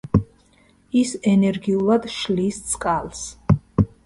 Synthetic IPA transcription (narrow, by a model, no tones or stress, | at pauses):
isɛnɛɾɡiulˠad̪ʃlist̪sʼkʼalˠs